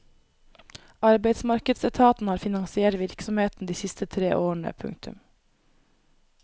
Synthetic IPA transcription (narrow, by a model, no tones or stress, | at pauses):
ɑɾbeɪd̪smɑɾkəd̪sɛt̪ʰɑːt̪n̩hɑːɾfɪnɑŋsɪeːʈʋɪɾksɔmheːt̪n̩d̪iːsɪst̪ʰət̪ʰɾeːʔoːɳə̰pʰʉ̰ŋt̪ʉ̰m